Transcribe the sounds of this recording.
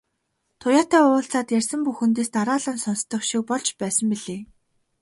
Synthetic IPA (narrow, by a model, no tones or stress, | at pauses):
t̪ʰʊjaːt̪æːʊːɬt͡saːt̪jærʲsə̆mpuxɘ̆nt̪̬eːst̪aɾaːɮə̆nsɔnst̪ɞ̆χʃik̚pɔɮt͡ɕpæːsə̆mpiɮeː